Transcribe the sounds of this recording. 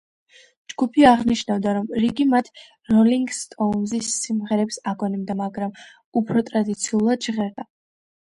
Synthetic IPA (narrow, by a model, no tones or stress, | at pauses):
d͡ʒɡupʰiaʁniʃnavd̪aɾɔmɾiɡimat̪ʰ | ɾɔliŋɡst̪ʼɔnzisːimʁɛɾɛpsaɡɔnimd̪amaɡɾam | upʰɾɔt̪ʼɾad̪it̪sʰiulˠad̪d͡ʒʁɛɾd̪a